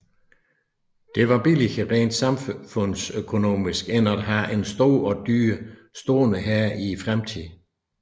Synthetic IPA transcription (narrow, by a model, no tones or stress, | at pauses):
d̥e̝ʋɑ̈b̥ilihəʁɛ̰nd̥sɑ̈mfɔ̽n̰søkʰo̝no̝̰ːmisɡ̥enæd̥ɦæʔe̝nsd̥o̝̰ːɒ̽d̥yːsd̥o̝ːnəɦæɐifʁamt͡sʰið̰ˠ